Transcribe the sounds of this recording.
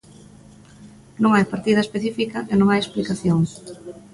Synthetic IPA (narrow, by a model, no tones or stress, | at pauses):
nõŋajpaɾt̪ið̞ɐespeθifikɐʔenõŋajesplikaθjoŋ